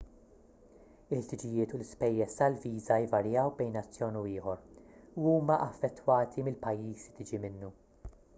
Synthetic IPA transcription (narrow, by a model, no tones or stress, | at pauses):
ɪħt̪ɪd͡ʒɪjɪːt̪ʊlɪspɛjːɛst̪ɐlviːzɐɪvɐɾjɐwbɛjnɐt͡sːjɔːnuɪːħɔɾuuːmɐʔɐfːɛt̪ːwɐːt̪ʰimɪlpɐjːiːsit̪ɪd͡ʒimɪnːu